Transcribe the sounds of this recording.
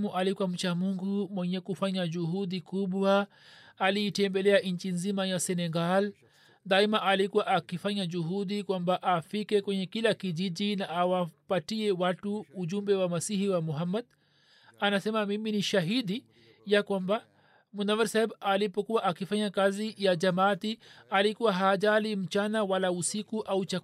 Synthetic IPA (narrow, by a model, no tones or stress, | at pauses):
muʔalikwam̩t͡ʃamuŋɡumwɛɲɛkufaɲad͡ʒuhuɗikuɓwaː | liːtɛmbɛlɛaɲ̩t͡ʃinzimajasɛnɛɡal | d̪aimaʔalikuwaʔakifaɲad͡ʒuɦuɗikwambaʔafikɛkwɛɲɛkilakiʄiʄinaʔawapatiɛwatuːʄumbɛwamasihiwamɔɦamːad | anasɛmamiminiʃaɦidi | jakwamba | munamaɾsahɛbalipɔkuwaʔakifaɲakazijad͡ʒamatialikuwaɦaʄalim̩t͡ʃanawalausikuʔaut͡ʃa